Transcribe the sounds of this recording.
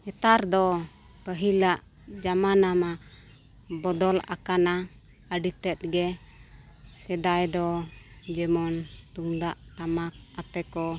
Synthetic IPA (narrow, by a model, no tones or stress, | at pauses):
ɛt̪aɾd̪ɔ | pəɦilaʔ | d͡ʒamanama | bɔd̪ɔla̰kana | əɖit̪ɛt̪̚ɡɛ | sɛd̪ajd̪ɔd͡ʒɛmɔnt̪uŋd̪aʔʈamak̚at̪ɛkɔ